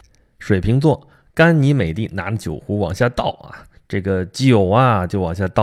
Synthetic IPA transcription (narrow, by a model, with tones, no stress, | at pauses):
ʂwe˨˩ɪpʰi˧˥ŋt͡swɔ˥˩ | ka˥nni˧˥me˨˩ɪt̪i˥˩na˧˥lə˧t͡ɕjo̰˨˩ʊxu˧˥wɑ̰˨˩ŋɕja˥˧t̪ɑ˥˩ʊa̰˩ | ʈ͡ʂɤ˥˩ɡə˩t͡ɕi˥˩jo˨˩ʊɐ˧t͡ɕjo˥˩ʊwɑ˨˩ŋɕja˥˧t̪ɑ˥˩